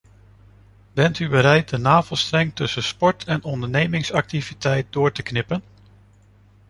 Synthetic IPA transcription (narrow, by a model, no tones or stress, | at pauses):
bɛntybəɾɛjt̚dənaːvəlˠstrɛŋtɵsəspɔɹtʰɛnɔndəɹnejmɪŋsɑk̚tivitɛjt̚dʊːɹtəknɪpən